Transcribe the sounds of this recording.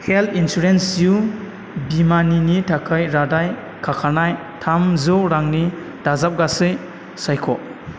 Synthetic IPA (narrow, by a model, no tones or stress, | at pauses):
heltʰinsuɾensju | bimaninitʰakʰajɾadaj | kʰakʰanaj | tʰamzɯɾaŋni | d̥azap̚ɡasɯj | sajkʰɔ